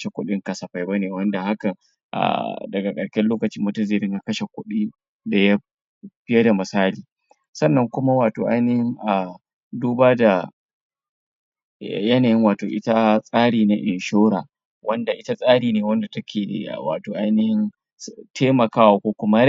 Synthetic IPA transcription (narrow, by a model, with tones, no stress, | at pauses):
ʃe˨kʷʊ˦ɗɪ˦ŋkɐ˨˦sɐ˨ɸa˦jba˦neː˨wɐ˦nda˨ha˦kɐ˨ | ʔa̰˨dɐ˨ɡa˨kʼɐ˨ɽkʲɛ˦loː˦kɐ˨t͡ʃɪ˦mːʊ˦tɐ˦zɪ˨ɾɪ˦ɲja˦kɐ˦ʃe˨kʷʊ˦ɗiː˦ | da˨ja˦ | ɸɪ˦ja˦da˨mɪ˨saː˦liː˨ | sɐ˦˨nːɐ˦ŋkʷʊ˦ma˦waː˨to̰ː˨ʔa˦jnɪ˦hɪ˦ŋʔa˨ | duː˦baː˦da˨ | jɐ˦naː˨jɪ˦ŋwaː˨toː˨ʔɪ˦ta˦sʼaː˦ɽiː˨na˦ʔɪ˨nʃoː˦ɽaː˨ | wɐ˦nda˨ʔɪ˦ta˦sʼaː˦ɽiː˨neː˨wɐ˦nda˨tɐ˦kʲʰḛː˨wa̰ː˨toː˨ʔa˦jnɪ˦hɪ˦n | tʰeː˦mɐ˨kaː˦wa˨kʷoː˦kʷʊ˦ma˦